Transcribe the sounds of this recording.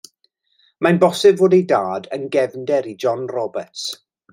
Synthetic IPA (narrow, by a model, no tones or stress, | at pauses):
manbɔsɪbvoːdejdaːdənɡɛvndɛɾid͡ʒɔnrɔbəts